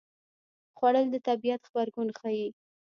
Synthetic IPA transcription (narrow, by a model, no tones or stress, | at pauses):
xwaɽəld̪ət̪abijat̪xbaɾɡunxai